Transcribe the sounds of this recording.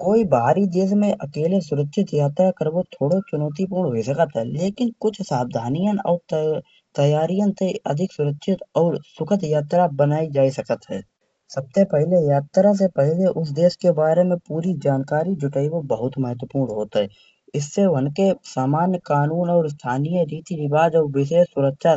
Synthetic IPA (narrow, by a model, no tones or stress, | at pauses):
koːibaɦaɾid̪eːsmẽʔɐkeːles̬ʊɾəkʃʰɪt̪jaːt̪ɾakəɾbot̪ʰoːɽot͡ʃʊnɔːt̪̬ipuːɾɳɦoisəkət̪ɦɛːleːkɪnkʊt͡ʃʰsaːb̚d̪ʱaːnijənɔ̰ːɾt̪ | t̪əjaːɾijə̃nt̪eə̰d̪ʱɪksʊɾəkʃʰɪt̪ɔːɾsʊkʰət̪jaːt̪ɾabənaːid͡ʒaːisəkət̪ɦɛ̰ː | səb̚sepɛɦlejaːt̪ɾas̬epɛɦleʔʊs̬d̪eːʃkebaːɾemẽpuːɾid͡ʒaːnkaːɾid͡ʒʊʈaːiʋobəɦʊt̪məɦət̪wəpuːɾnɳɦoːt̪ɦɛː | ɪsːeʋənkesaːmaːnjəkaːnuːnɔːɾs̬t̪ʰaːnijəɾiːt̪iɾɪbaːd͡ʒɔːɾʋɪʃ̬eːʃsʊɾəkʃa